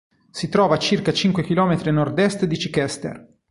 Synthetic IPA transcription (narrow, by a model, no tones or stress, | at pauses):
sit̪ɾɔːvat͡ʃirkat͡ʃiŋkwekilɔːmet̪ɾenord̪ɛst̪d̪it͡ʃikɛst̪ḛr